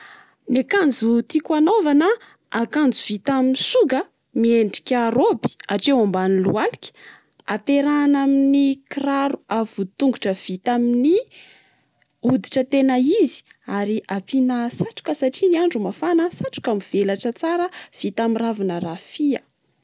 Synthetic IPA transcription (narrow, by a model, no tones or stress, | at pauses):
nakand͡zut̪ikanovanə | akand͡zuv̥it̪aminsuɡə | mieɳɖ͡ʐi̥kʲaɾobi̥aʈ͡ʂewambanilṵalikʲi̥ | at̪eɾanaminikiraɾuav̥ut̪uŋɡuʈ͡ʂəv̥it̪amini | ud̪iʈ͡ʂət̪enaizi̥aɾiʔapinasaʈ͡ʂu̥kəsaʈ͡ʂiniaɳɖ͡ʐumafanəsaʈ͡ʂu̥kamv̥elaʈ͡ʂət͡saɾəv̥it̪amiravanəɾafiə